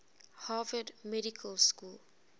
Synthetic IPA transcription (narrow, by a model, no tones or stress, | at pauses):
havədmɛɾikʰəlskul